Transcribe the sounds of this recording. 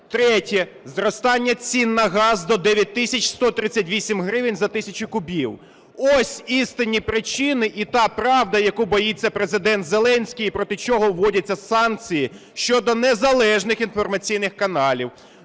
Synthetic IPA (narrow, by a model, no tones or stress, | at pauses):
t̪ɾɛtʲɛ | zɾɔst̪ɑnʲːɐt͡sʲinːɐɦɑzd̪ɔd̪ɛʋʲjɐt̚ʲt̪ɪsʲɐt͡ʃʲst̪ɔt̪ɾɪt͡sʲːɐtʲʋʲisʲimɦɾɪʋɪnʲzɐt̪ɪsʲɐt͡ʃʊkʊbʲiw | ɔsʲist̪ɪnʲipɾɪt͡ʃɪnɪʔit̪ɑpɾɑwd̪ɐjɐkubɔjit͡sʲːɐpɾezɪd̪ɛnt̪ze̞lˠɛnʲsʲkʲijipɾɔt̪ɪt͡ʃɔɦɔwːɔdʲɐt͡sʲːɐsɑnk̚t͡sʲiji | ʃt͡ʃɔd̪ɔnɛzɐlˠɛʒnɪxinfɔrmɐt͡sʲijnɪxkɐnɑlʲiw